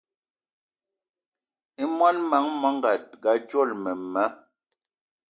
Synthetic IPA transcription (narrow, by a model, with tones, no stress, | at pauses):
i˦mwa˦nma˨˦ŋmɔ˨˦ŋ˦ɡa˨t̚ɡa˨˦t͡ʃɔ˦˨lmɛ˨ma˨˦